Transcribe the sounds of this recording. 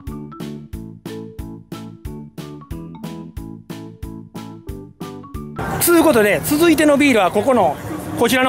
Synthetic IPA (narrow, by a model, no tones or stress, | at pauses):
t͡sɨɯko̞t̪o̞d̪e̞t͡sɨzɨit̪e̞no̞bʲiːɾɯ̟βako̞konoko̞t͡ɕiɾano